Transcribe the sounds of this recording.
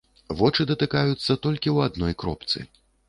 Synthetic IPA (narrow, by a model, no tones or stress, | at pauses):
vɔt͡ʂɨd̪ɐt̪ɨkajut̪sːɐt̪ɔlʲkʲiwad̪nɔjkɾɔ̰p̚t̪sɨ̰